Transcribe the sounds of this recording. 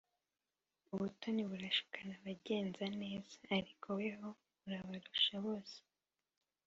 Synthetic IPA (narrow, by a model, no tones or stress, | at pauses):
uβutoniβuɾaʃu̥kʰanaβaɟe̞ːnzane̞ːzaːɾikʰoweɦo̞ | βuɾaβaɾuʃaβoːse̥